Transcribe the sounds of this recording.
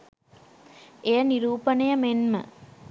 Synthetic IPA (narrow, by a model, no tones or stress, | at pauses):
ejəniɾuːpənəjəmenmə̰